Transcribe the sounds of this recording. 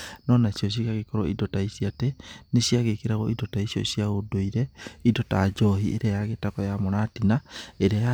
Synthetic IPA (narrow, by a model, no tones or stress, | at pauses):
nɔnasjɔɕ̬ikaɣekɔɾɔidɔtaisiateneɕiaɣekeɾaɣɔidɔtaisijɔ̰siaɣodoiɾɛidɔtad͡ʒɔɦiʔḛɾajaɣetakɔjamoɾatinaeɾeja